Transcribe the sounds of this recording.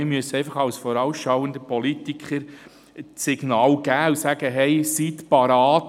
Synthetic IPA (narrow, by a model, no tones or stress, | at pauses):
ɪɾmyəsɛɪfɑχɑwsfɔɾɑwsʃɑwənd̪əpʰɔlitikχəɾ | t͡sːɪɡ̥nɑːlɡ̥æːʊsæɡ̥əɦɛjsit̪pɑɾɑːt